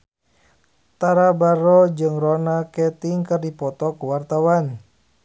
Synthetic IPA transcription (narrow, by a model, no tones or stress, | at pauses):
t̪aɾabaɾɔd͡ʒɨŋrɔnakɛt̪iŋkɨrdipɔt̪ɔkuwart̪awan